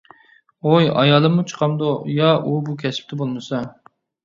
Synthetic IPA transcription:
ojɑ̰jɑːlˠɨmut͡ʃʰə̥qʰɑmd̪ojɑʔubukʲʰɛsɪ̥p̚t̪ʰɪbolˠmɨsɑ

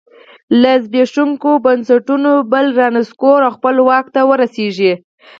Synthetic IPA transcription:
lazbeʂuŋkobansaʈunobəlɾɑnɪskoɾawxpəlwɑk̚t̪awəɾaseʒi

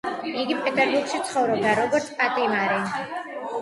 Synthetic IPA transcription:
iɡipʼɛt̪ʼɛɾbuɾɡʃit̪sʰχɔvɾɔb̚d̪aɾɔɡɔɾt̪sʰpʼat̪ʼimaɾɛ

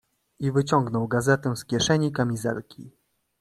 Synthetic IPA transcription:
ivɘt͡ɕɔŋɡnɔwɡazɛt̪ɛ̃skʲjɛʂɛɲikamʲizɛ̰lkʲḭ

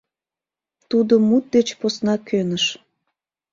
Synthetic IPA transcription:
t̪ud̪omut̪̚d̪et͡ɕposnɑkʰønəʃ

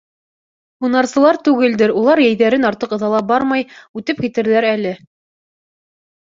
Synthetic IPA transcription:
unɑɾsɤ̆lˠɑɾt̪ʉɡɘld̪ɘɾulˠɑɾjæjðæɾɘnɑɾt̪ɤqɤ̆ðɑlˠɑbɑɾmɑjʉt̪ɘp̚kit̪ɘ̆ɾðæɾælɘ

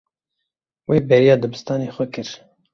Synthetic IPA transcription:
weːbɛɾijɑːd̪ɨbɨst̪ɑːneːxʷɛkɨɾ

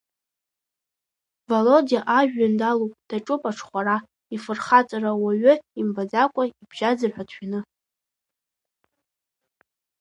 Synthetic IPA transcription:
valodiaʔaʒᶣːandalopʼd̥aʈ͡ʂʼʊpʼaʈ͡ʂʰχʷaɾa | ifɨrχat͡sʼarawaɥʏimbad͡zakʷʼaibʒ̥ad͡zɨrħʷatʰᶣanɨ

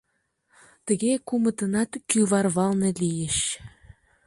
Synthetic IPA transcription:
t̪ə̆ɣekumə̆t̪ɤ̆nɑt̪kyβɑrβɑlˠnĕlijəʃ

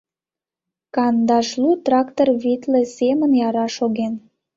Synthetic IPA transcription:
kɑnd̪ɑʃlut̪rɑkt̪orβit̪lesemənjɑɾɑʃoɣen

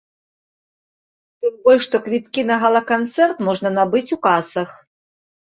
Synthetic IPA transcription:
t̪ɨmbɔlʲʂt̪ɔkvʲit̪kʲinɐɣɐlˠɐkant̪sɛrt̪mɔʐnɐnabɨt͡sʲukasɐx

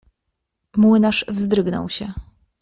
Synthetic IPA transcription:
mwɘnaʂvzd̪ɾɘɡnɔ̰wɕɛ

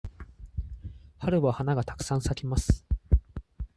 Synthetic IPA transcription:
haɾɯ̟bahanaɡat̪ḁkɯ̥sãɰ̃sakʲimasɨ̥

